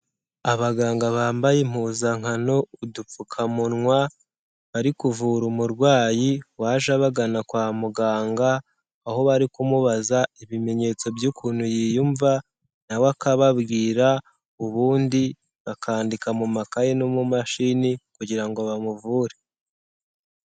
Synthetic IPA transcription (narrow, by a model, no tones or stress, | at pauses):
aβaɡaːŋɡaβaːmbajem̥uzaŋ̥ano̞uduukʰamunŋwa | βaɾikuvuɾumuɾɡwaːjiwaːʒaβaɡanakwaːmuɡaːŋɡaː | ho̞βaɾikumuβazaiβime̞ɲe̞t͡so̞bjukʰuːnhujijuɱva | nawakaβaβɡiːɾa | uβuːndi | βakʰaːndikamumakajenomumaʃinikuɟiɾaŋɡo̞βamuvuːɾe